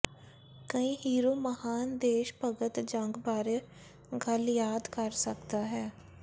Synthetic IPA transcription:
kəĩːɦiːɾoːməhaːnd̪eːʃpəɡət̪d͡ʒəŋɡbaːɾe | ɡəljaːd̪kəɾsəkt̪aɦɛː

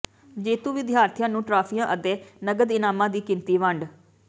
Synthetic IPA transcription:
d͡ʒeːt̪uːʋɪd̪ɪjaːɾt̪ʰɪjãːnũːʈɾaːpʰijãːʔəd̪eːnəɡəd̪ɪnaːmãːd̪iːkɪnt̪iːʋəɳɖ

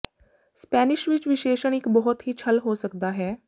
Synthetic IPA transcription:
spɛːnɪʃʋɪt͡ʃʋɪʃeːʃəɳɪkbɔɦʊt̪ɦiːt͡ʃʰəlɦoːsəkd̪aːɦɛː

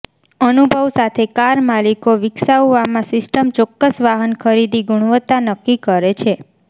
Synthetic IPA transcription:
ənubʱəʋsat̪ʰekaɾmalikoʋɪksauʋamãsɪsʈəmt͡ʃɔkːəsʋaɦənkʰəɾid̪iɡuɽ̃ʋət̪ːanəkːikəɾet͡ʃʰe

